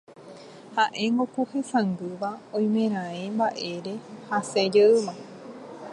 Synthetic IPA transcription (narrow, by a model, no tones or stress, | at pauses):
haʔe̞ŋɡokuhẽ̞sãnɡ̪ɨʋaõj̃mẽ̞ɾ̃ãembaʔe̞ɾe̞hased͡ʒeɨmã